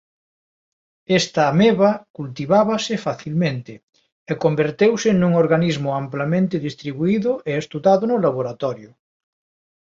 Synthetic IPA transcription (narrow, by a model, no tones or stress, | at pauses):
est̪aːmeβakult̪iβaβasɪfaθilmẽnt̪ɪ | ekombeɾt̪ewsenuŋoɾɣanizmʊamplamẽnt̪ɪðist̪ɾiβuiðʊʔeest̪uðaðʊnʊlaβoɾat̪ɔɾjʊ